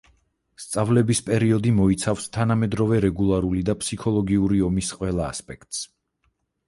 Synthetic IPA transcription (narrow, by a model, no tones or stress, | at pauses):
st̪sʼavlɛbispʼɛɾiɔd̪imɔit̪sʰafst̪ʰanamɛd̪ɾɔvɛɾɛɡulˠaɾulid̪apʰsikʰɔlˠɔɡiuɾiɔmisqʼwɛlˠa̰ːspʼɛkʰt̪ʼs